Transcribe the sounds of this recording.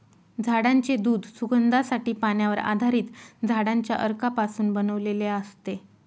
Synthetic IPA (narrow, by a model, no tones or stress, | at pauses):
d͡zʱaɽaɲt͡ɕed̪uːd̪suɡənd̪asaʈiːpaɳjaʋəɾa̰d̪ʱaɾiːt̪d͡zʱaɽaɲt͡ɕja̰ʔəɾkapasuːnbənəʋleleəst̪e